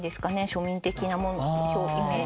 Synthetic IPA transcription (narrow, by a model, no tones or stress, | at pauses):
d̪e̞sɨ̥kane̞ɕo̞mʲĩnt̪e̞kʲinamo̞nooçoːçime